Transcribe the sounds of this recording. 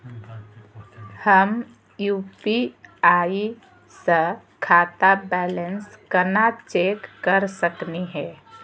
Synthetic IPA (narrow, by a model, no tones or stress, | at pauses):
həm | juːpiaːi | sə | kʰaːt̪abɛːlənskənat͡ʃeːkːəɾsəkniɦɛ̃ː